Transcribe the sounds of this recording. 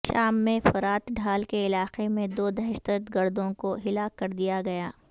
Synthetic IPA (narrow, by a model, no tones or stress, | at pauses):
ʃaːmːẽfɐɾaːt̪ɖʱaːlkeɪlaːqemẽd̪oːd̪ɛɦʃt̪ət̪ɡɐɾd̪õkoɦɪlaːkːɐɾd̪ijaɡɐjaː